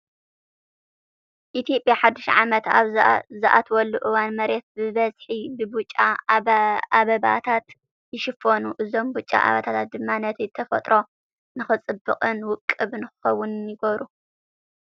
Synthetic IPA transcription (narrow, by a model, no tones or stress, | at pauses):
ʔit̪ʰijo̞pʼjaħad̪ːɨʃʕamɐt̪a̰βzzɨʔat̪wɔlːuʔɨwanmɐɾe̞t̪̚bɨβɐzħibɨbut͡ʃʼa | aβɐba̰t̪ʰat̪ | jɪʃɪfonuʔɨzo̞mbut͡ʃʼːa̰ʔa̰βɐt̪ʰat̪ʰat̪̚d̪ɨmːanɐt̪ʰiɨt̪ʰɐfɐt̪ʼɾʔo̞ | nɨxɨt͡sʼɨbɨ̰qʼɨnwʊkʼːɨβnɨxɨ̥xɐwːʊnnjɪɡɐβɾu